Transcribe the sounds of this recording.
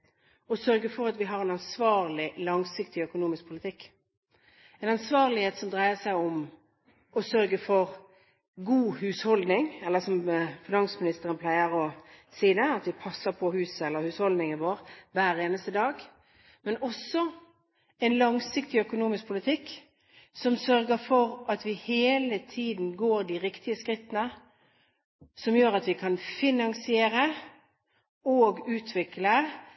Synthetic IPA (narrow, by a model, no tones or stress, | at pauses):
ɔsœɾɡəfɔʁɑt̪ʋɪɦɑɾɛnɑnsʋɑːʁlɪlɑŋsɪkt̪ɪœkʊnuːmɪsk̚pʰʊlɪt̪ʰɪkː | ɛnɑnsʋɑːʁlɪheːt̪sɔmd̪ɾæɪəsæɪʊm | ɔsœɾɡəfɔʁ | ɡuːhʉːshɔld̪nɪŋɛlːəsɔmfɪnɑnsmɪnɪst̪əʁənpʰlæɪəʁɔsiːd̪əɑt̪ʋɪpʰɑsːəʁpʰɔhʉːsəɛlːəɾhʉːshɔld̪nɪŋɪʋoːʁʋæːɾʁeːnəst̪əd̪ɑːɡ | mɛnɔsːɔ | ɛɪnlɑŋsɪkt̪ɪœkʊnuːmɪsk̚pʰʊlɪt̪ʰɪkː | sɔmsœɾɡəfɔɾʔɑt̪ʋɪheːlət̪ʰiːd̪n̩ɡoːɾd̪ɪʁɪkt̪ɪəskʁɪt̪ːənə | sɔmjøːɾɑt̪ʋɪkʰɑnfɪnɑŋsɪeːɾə | oːɡʉːt̪ʰʋɪklə